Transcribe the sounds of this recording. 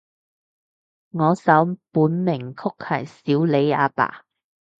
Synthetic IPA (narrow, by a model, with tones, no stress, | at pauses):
ŋɔː˨˧sɐ˨˥wpuː˨˥nmɪ˨˩ŋkʰʊ˥k̚hɐ̰˨˩jsiː˨˥wle˨˧˥ja̰ː˧pa̰ː˨˩